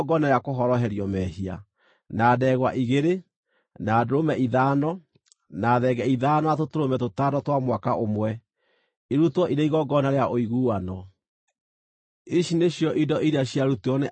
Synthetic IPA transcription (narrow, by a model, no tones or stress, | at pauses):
ɡɔnaɾeakoɦɔɾɔɦɛɾiɔmɛhia̰ | naːdɛɣwaʔiɣeɾe | naːdoɾomɛiðanɔ | naːðɛɡɛiðaːnɔatotoɾomɛtotadɔtwamwakaʔomwɛ | iɾutwɔʔiɾeiɣɔɡɔnaɾeaʔoiɣuːwanɔ | iʃineɕjɔʔidɔʔiɾeaɕjaɾuteɔne